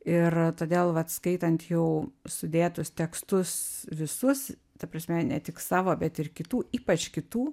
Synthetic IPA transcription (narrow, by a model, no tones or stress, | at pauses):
ɪrt̪oːd̪ʲeːlˠʋɐt̪skɐɪt̪ɐnt̪jɛʊsʊd̪ʲeːt̪ʊst̪ʲɛkst̪ʊsʋʲɪsʊs | t̪ɐpɾɐsʲmʲɛnʲɛt̪ʲɪksɑːʋoːbʲɛt̪ɪrkʲɪt̪uːiːpɐt͡ʃkʲɪt̪uː